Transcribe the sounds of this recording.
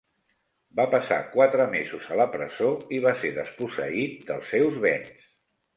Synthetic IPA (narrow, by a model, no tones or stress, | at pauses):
bapəsa̰kwat̪ɾəmezuzələpɾəzoiβ̞aseɾðəspusə̰it̪̚d̪əlˠsːewzβɛns